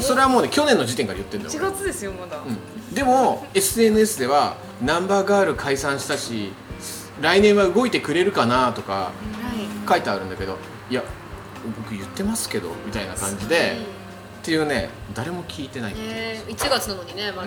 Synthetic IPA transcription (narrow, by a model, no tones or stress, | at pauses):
so̞ɾe̞amo̞ːne̞kʲo̞nẽ̞nːod͡ʑit̪eŋkaɾajɯ̟t̪ːend̪o̰j̰ɡat͡sɨd̪esɨjomad̪aɯ̟̃ɴ | d̪e̞mo̞e̞sɨenɯ̟e̞sɨd̪e̞β̞a | nãmbaːɡaːɾɯ̟kʰaisãɰ̃ɕi̥t̪aɕi | ɾainẽɰ̃βaɯ̟ɡo̞it̪e̞kɯ̟ɾe̞ɾɯ̟kanat̪o̞ka̰ | kait̪eaɾɯ̟̃nd̪ake̞d̪o̞̰ | ija | bo̞kɯ̟jɯ̟t̪ːe̞masɨ̥ke̞d̪o̞̰mʲit̪aina̰kãɲ̟d͡ʑid̪e̞ | t̪ːe̞jɯ̟ːne̞̰ | d̪aɾe̞mo̞kʲiːt̪e̞naiit͡ɕiɡannoɲine